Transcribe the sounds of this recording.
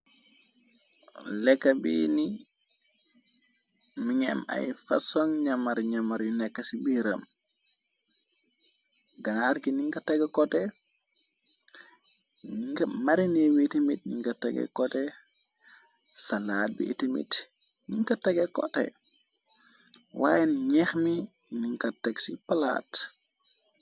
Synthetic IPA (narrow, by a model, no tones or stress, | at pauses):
lɛkːabḭni | miŋɛ̰ma̰jfasɔŋɲamaɾɲamaɾjunɛkːasibiɾa̰m | ɡanaɾkiniŋkataɡɛkɔtɛ | niŋkɐmaɾiniwitimit̚nḭŋkɐta̰ɡɛ̰kɔte | salaːt̚bḭʔːtimḭt | niŋkɐtɐɡɛkɔtɛ̰ | wa̰jenɲɛxmi | niŋkɐteɡsipala̰ːt